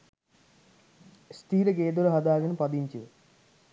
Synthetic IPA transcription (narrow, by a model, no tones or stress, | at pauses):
st̪ʰiːɾɐɡeːd̪uɾɐɦɐd̪aːɡɐnɨpɐd̪iɲt͡ɕu